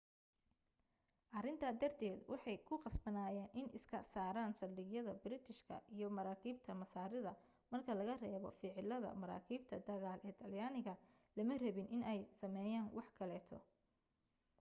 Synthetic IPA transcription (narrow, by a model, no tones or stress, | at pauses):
ʔɐrɪnt̪ʰɐd̪ɐrt̪ʰɛːd̪wɑħɑjkʰʊqɑsbɐnaːjɛːnʔɪnʔɪskʰɐsaːɾaːnsɐrd̪ɪɣjɐðɐbɪɾɪt̪ʰɪʃkʰɐ̰ʔijɞmɐɾaːkʰiːb̚t̪ʰɐmɐsaːɾɪðɐ | mɐrkʰɐlɐɣɐrɛːβɔ̰fɪʕɪlɐðɐ̰mɐɾa̰ːkʰiːbt̪ʰɐd̪ɐɣaːlʔɛːt̪ʰɐljaːnɪɣɐ | lɐmɐrɐβɪnʔɪnɛjsɐmɛːjaːnwɑħkʰɐlɛːt̪ʰɔ̰